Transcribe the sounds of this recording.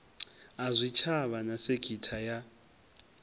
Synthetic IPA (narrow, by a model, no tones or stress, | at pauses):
azʷit͡ʃʰaβanaseɡ̥ʱitʰaja